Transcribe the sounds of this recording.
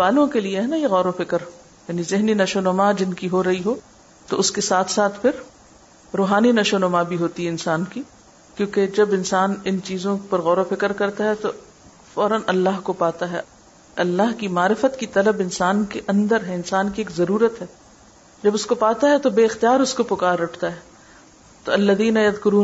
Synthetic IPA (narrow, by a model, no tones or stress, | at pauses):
baːlõkelieɦɛnajeɣɔːɾofɪkəɾ | jaːnizɪɦninɐʃonɐmad͡ʒɪnkiɦoɾɐɦiɦoː | t̪oʊskesaːt̪ʰsaːt̪ʰpʰɪɾ | ɾoːɦaːninɐʃonɐmabʱiɦoːt̪iɦɛɪnsaːnki | kjõːked͡ʒɐbɪnsaːnɪnt͡ʃiːzõpɐɾɣɔːɾofɪkəɾkɐɾt̪aɦɛt̪o | fɔːɾənɐlːaːɦkopaːt̪aɦɛ̰ | ɐlːaɦkimaːɾɪfət̪kit̪ɐləbɪnsaːnkeʔɐ̃nd̪əɾɦɛɪnsaːnkieːkzɐɾuːɾət̪ɦɛː | d͡ʒɐbʊskopaːt̪aɦɛt̪obeːɪxt̪ijaːɾʊskopʊkaːɾːɐʈʰt̪aɦɛː | t̪oɐlːɐðiːnajɐðkʊɾuːn